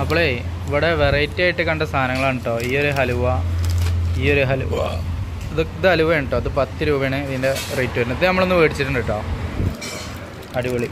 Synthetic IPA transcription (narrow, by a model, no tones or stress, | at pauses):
ɐpːoɭe | iʋiɽeʋerɐjtːaːjiʈːɨkɐɳɖɐst̪ʰaːnɐŋːɐɭaːɳʈːoːiːoɾuɦɐluʋɐ | iːoɾuɦɐlṵʋɐ̰ | ɐðɨd̪ɐluʋɐjɳʈːoːɐðɨpɐt̪ːɨɾuːbɐɳeɐðinde̞rɐjtːuʋoɾinɐðɨnɐmːɐɭo̞nːuʋeːɽit͡ɕːiʈːuɳɖiʈːoː | ɐɽuʋɐɭi